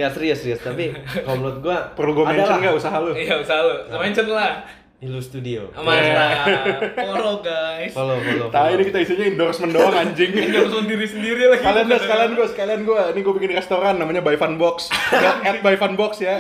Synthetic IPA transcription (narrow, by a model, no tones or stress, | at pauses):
jasəɾiasəɾiast̪apikalomlʊt̪̚ɡuapərluɡuamɛdɲat͡ʃənɡaʔusaɦaluijausahalumeɲt͡ʃənlah | ilust̪udio̰maa | ɾoɡajsəlopəlot̪ainikit̪aisiɲaindɔrsməndoaŋaɲd͡ʒɪŋɔrsməndiɾisəndiɾilaskaliandasəkalianɡuasə̥kalianɡuainiɡuapikɪnrɛst̪oɾanːamaɲabajfanbɔksjaɛt̪̚bajfanbɔksja